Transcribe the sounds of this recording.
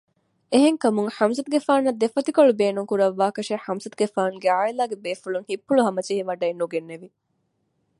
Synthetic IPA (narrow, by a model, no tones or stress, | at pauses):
eɦeŋkɐmuŋħɐmsɐt̪uɡefaːnɐd̪efɐt̪ikoɭubeːnuŋkuɾɐʋːaːkɐʃeħɐmsɐt̪uɡefaːnuɡeaːilaːɡebeːfuluŋhipːuɭuɦɐmɐt͡ʃiɦiʋɐɖɐinːuɡenːeʋi